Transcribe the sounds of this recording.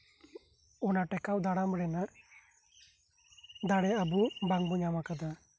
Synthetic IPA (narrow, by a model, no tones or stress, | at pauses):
ɔnaʈɛkawd̪aɽamɽɛna | d̪aɽɛabubaŋbuɲamakad̪a